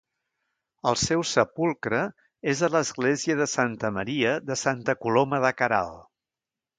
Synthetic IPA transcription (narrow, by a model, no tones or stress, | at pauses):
əlˠsɛwsəpulˠkɾə | ezələzɣleziəðəsant̪əməɾiəðəsant̪əkuloməðəkəɾa̰lˠ